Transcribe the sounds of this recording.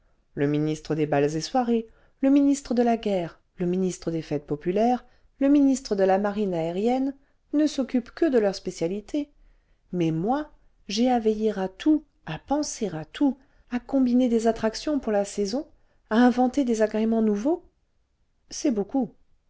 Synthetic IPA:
ləminist̪χəd̪ebalzeswaʁe | ləminist̪χəd̪əlaɡʲɛʁ | ləminist̪χəd̪efɛt̪̚pɔpylɛʁ | ləminist̪χəd̪əlamaʁinaeʁjɛnː | əsɔkʲypkəd̪əlœʁspesjalit̪ʰe | mɛmwa | ʒeavejiʁat̪ʰu | apɑ̃seʁat̪ʰu | akɔ̃bined̪ezat̪χaksjɔ̃puʁlasɛzɔ̃ | aɛ̃vɑ̃t̪ed̪ezaɡʁemɑ̃nuvo | sɛboku

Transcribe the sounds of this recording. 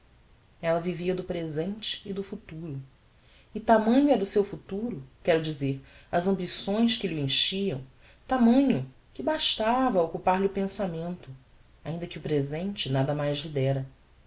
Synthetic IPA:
ɛlɐviviɐd̪ʊpɾezẽnt͡ʃɪ̥ːd̪ʊfut̪uɾʊ | ɪt̪amɐ̃ɲʊɛɾd̪ʊsewfut̪uɾʊkɛɾʊd͡ʒizeɾɐzɐ̃mbisõj̃skɪlɪẽʃiɐ̃w̃ | t̪amɐ̃ɲʊ | kɪbaʃt̪avɐokupaɾlɪʊpẽsamẽnt̪ʊ | aĩnd̪ɐkɪʊpɾezẽnt͡ʃɪnad̪ɐmajzlid̪ɛɾɐ

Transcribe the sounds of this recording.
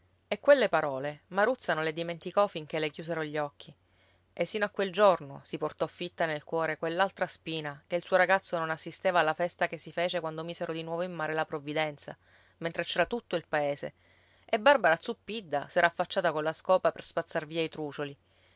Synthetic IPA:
ekːwelːepaɾɔːlemaɾut̪sːanõnled̪iment̪ikɔfiŋkelek̟juːs̬eɾoʎːɔkʰːi | ʔesːinoakːweld͡ʒornosiport̪ɔfːit̪ːanelkwɔːɾekwelːalt̪ɾaspiːnakeilsuːoɾaɡat̪sːononasːist̪eːvaːlːafɛst̪akesːifeːt͡ʃekwand̪omiːseɾod̪inwɔːvoimːaːɾelapɾovːid̪ɛnt̪sa̰ | ment̪ɾet͡ʃɛːɾat̪ut̪ːoilpaeːsḛ | ebarbaɾat̪supːid̪ːa̰sɛːɾaːfːat͡ʃːaːt̪akolːaskɔːpaperspat̪sːarviːait̪ɾuːt͡ʃoli

